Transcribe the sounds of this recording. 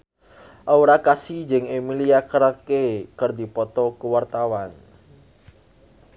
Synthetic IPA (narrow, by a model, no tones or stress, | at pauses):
ʔauɾakasid͡ʒɪŋemiliakəɾkekərd̪ipɔt̪ɔkəwart̪awan